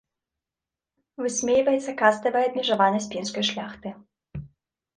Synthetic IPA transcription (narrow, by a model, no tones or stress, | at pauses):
vɨsʲmʲejvɐjɛt̪sːɐkast̪ɐvɐjɐd̪̚mʲiʐavanɐs̚ʲpʲenskɐjʂlʲaxt̪ɨ